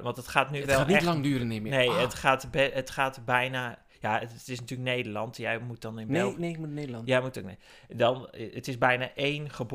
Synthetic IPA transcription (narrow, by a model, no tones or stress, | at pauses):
ʋɑntətχaːtnyʋlaːniɛlɑŋdyːɾənɪmnejətχaːtbɛətχaːtbɛjna | jaətɪsnatyːləknejdərlɑntjɛjmut̚dɔnɪnˠnekmunenjajmutokne | dɔnətɪsbɛjnaʔejnχəb